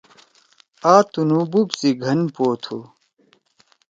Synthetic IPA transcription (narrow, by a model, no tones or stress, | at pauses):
aːt̪unububsiɡʱɐnpoːt̪ʰu